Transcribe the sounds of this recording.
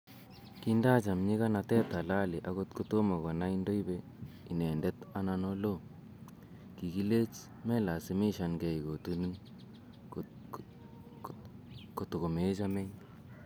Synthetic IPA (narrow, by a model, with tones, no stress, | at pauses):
kinda˦t͡ʃa˨mɲi˦ka˦na˨tɛ˦ta˨la˦li˨ʔa˦ko˦tko˦to˦ma˨ɣɔ˨na˦i˦ndo˦i˦be˦ | i˨nɛ˨ndɛ˦ta˦na˦no˦lo˦ | ki˨ki˦le˦t͡ʃ | mɛ˦la˨si˦mi˦ʃa˨nɡɛ˨i˨ko˨tu˦nu˦n | ko˨to˨ko˨me˦t͡ʃa˦mɛ˦ɲ